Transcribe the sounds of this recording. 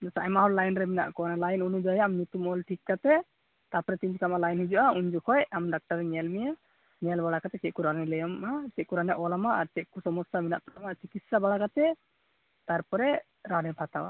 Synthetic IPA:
d̪ɛsaajmaɦɔllajnɾɛmina̰ʔkɔnalajnunud͡ʒɔjaamɲut̪umɔlʈʰikkat̪ɛ | t̪apɔɾɛt̪iɲd͡ʒkamalajnhid͡ʒuʔauɲd͡ʒukʰɔjamɖak̚ʈaɾːɛɲɛlmija | ɲɛlbaɽakat̪ɛkɛkuɾanɛlɛjɔmʔakɛc̪̚kuɾanɛʔɔlamaʔaɾt͡ʃɛʔ̚kusɔmɔsamina̰ʔt̪ɔamat͡ʃikit̪sabaɽakat̪ɛ | t̪aɾpɔɾɛ | ɾaɾɛbʰʱat̪awa̰

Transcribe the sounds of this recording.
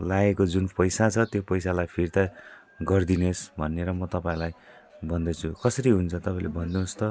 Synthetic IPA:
laekod͡zunpʌjsat͡sʰʌt̪jopʌjsalajpʰirt̪a | ɡʌrd̪inesbʱʌnːeɾʌmʌt̪ʌpãĩlaj | bʌnd̪ʌt͡sʰukʌsʌɾiɦunt͡sʰʌt̪ʌpaĩlebʌnd̪ũst̪ʌ

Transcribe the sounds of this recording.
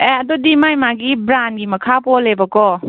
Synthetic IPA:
eɐdodimajmaɡibɾanɡimɐkʰapɔlebɐkɔ

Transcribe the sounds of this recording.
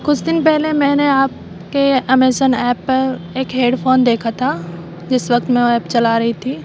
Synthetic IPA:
kʊt͡ʃʰd̪ɪnpɛɦlemɛ̃ːneaːp̚ | keɐmeːsənɛːpːɐɾeːkɦeːɖpʰoːnd̪eːkʰat̪ʰa | d͡ʒɪsʋɐk̚t̪mɛ̃ɛːpt͡ʃɐlaɾɐɦit̪ʰiː

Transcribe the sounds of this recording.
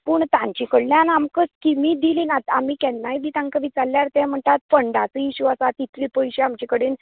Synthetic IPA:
puːɳt̪ãɲt͡ɕikəɽljãnamkəskimiːd̪iliːnat̪amiːkɛnːajbiːt̪ãŋkaʋit͡salːjaɾt̪ɛ̃m̤əɳt̪at̪fəɳɖat͡səjiɕuasat̪it̪liːpəjɕeamt͡ɕikəɽiːn

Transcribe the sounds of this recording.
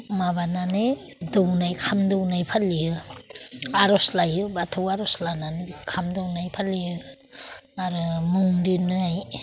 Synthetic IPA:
maβanane | downajkʰamdɔwnajpʰaliɯ | aɾɔslajɯbatʰowaɾɔslananekʰamdɔwnajpʰaliɯ | aɾɯmuŋdinɯaj

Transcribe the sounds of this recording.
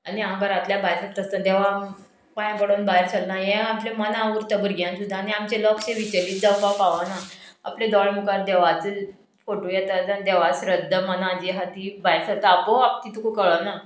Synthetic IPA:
aniãkaɾat̪ljabajɾsəɾɾəst̪əd̪ɛʋa | pãj̃pəɽonbajɾsəlnajẽaplemənaʋuɾt̪əbəɾɡjãnsud̪ʱːaniamt͡ɕelɔksẽʋit͡ɕəliːt̪̚d͡z̪əpapaʋanaa̰plẽd̪ɔɭmukaɾd̪ɛʋat͡səl | foʈujɛt̪ad͡zad̪eʋasɾəd̪ʱːəmənãd͡ʑiɦat̪ibajɾsəɾt̪əapoap̚t̪it̪ukokəɭəna

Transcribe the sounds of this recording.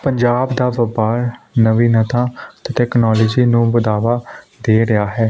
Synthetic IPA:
pəɲd͡ʒaːbd̪aːʋəpaːɾnəʋiːnət̪ãːt̪ɪʈɛːknɔːlɔːd͡ʒiːnũːʋəd̪aːʋaː | d̪eːɾɪaːɦɛː

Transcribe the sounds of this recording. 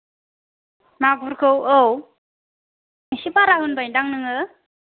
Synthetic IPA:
naɡuɾkʰɯwɯw | isipaɾaɦɯnbajdaŋnɯŋɯ

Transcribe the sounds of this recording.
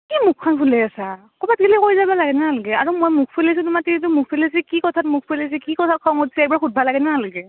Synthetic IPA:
kimukʰːanpʰulɛasa | kɔbat̚ɡʱilikoɹizabalaɡɛnaalɡɛaɹumojmukʰpʰelis̬utumatinit̬umuk̚ʰpʰelis̬ikikɔtʰatmuk̚ʰpʰelis̬ikikɔtʰat̚kʰɔŋotsiɛbaɹxut̚bʱalaɡɛnalɡɛ

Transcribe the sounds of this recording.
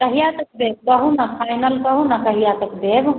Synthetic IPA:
kɐɦijat̪ɐk̚b̪eːb̚bəɦunapʰajnəlkəɦunakəɦijat̪əkb̪eb

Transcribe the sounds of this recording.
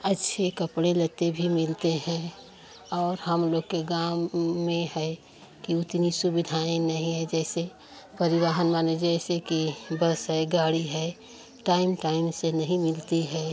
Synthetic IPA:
ətːʃʰekəpɽelət̪ebʱimɪlt̪eɦɛ̃ | ɔːɾɦəmloːɡkeɡaː | ẽhɛ | kiʊt̪nisubɪd̪ʱaːẽnɐɦĩɦɛd͡ʒɛːse | pəɾɪɾaːɦənmaːned͡ʒɛːsekibəsɦɛɡaːɽiɦɛ | ʈaːɪmʈaːɪmsenəɦĩmɪlt̪iɦɛː

